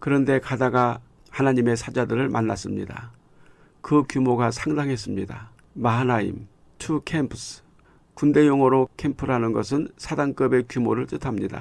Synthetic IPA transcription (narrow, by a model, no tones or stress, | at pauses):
kɯɾʌnde̞kadaɡa | hanaɲime̞sʰad͡ʑadɯɾɯɭmʔanːa̰s͈ɯmɲḭda̰ | kɯkjumoɡasʰaŋdaŋɦe̞s͈ɯmɲida̰ | maɦanaḭm | tʰukʰempʰsɯ̥ | kunde̞joŋʌɾokʰempʰɯɾɦanɯnɡʌsʰɯnsʰadaŋk͈ɯbe̞kjumoɾɯɭt͈ɯtʰamɲida̰